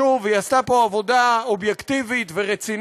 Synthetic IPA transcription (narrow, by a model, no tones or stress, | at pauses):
uvejast̪apo̞avo̞d̪aobjekt̪ivit̪veʁet͡sin